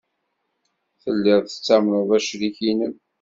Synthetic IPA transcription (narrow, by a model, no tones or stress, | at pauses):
θəlːɪʁˤθə̥t͡sːæmnəðˤæʃliçinən